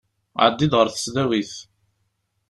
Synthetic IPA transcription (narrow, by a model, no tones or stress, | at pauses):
ʕ̰d̪ːid̪ʁəɾθə̥sðæwiθ